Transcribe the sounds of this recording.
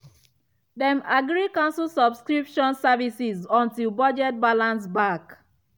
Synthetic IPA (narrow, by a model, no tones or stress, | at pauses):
dɛ̃maɡɹikãnsulsɔbskɹipʃɔ̃nsavisizɔ̃ntilbɔd͡ʒɛt̚balãns̬bak